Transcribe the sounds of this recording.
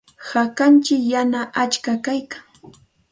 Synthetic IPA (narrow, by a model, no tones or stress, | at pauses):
hakant͡ʃɪkjanaʔat͡ʃkakajkaŋ